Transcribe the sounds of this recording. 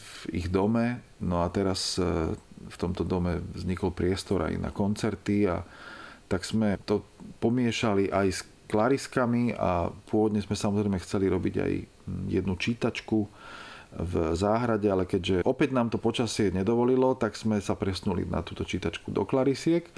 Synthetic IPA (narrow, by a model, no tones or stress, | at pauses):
vḭɣd̪ɔmɛ | nɔat̪ɛɾas | ft̪ɔmt̪ɔd̪ɔmɛvzɲikɔlpɾɪɛst̪ɔɾa̰jna̰kɔnt͡sɛɾt̪ia̰t̪aɡz̥mɛt̪ɔpɔmɪɛʃaliʔajs | klaɾiskamia̰pʊɔʋɔd̪ɲɛzmɛsamɔzɾɛɪmɛxt͡sɛliɾɔbiɟa̰j | jɛ̰d̪nut͡ʃiːt̪at͡ʃku | vzaːɦɾaɟɛalɛkɛɟʒɛʔɔpɛɟnaːmt̪ɔpɔt͡ʃasɪɛɲɛd̪ɔʋɔlilɔt̪aɡz̥mɛsapɾɛsnulḭna̰t̪uːt̪ɔt͡ʃiːt̪at͡ʃkud̪ɔ̰klaɾisɪɛk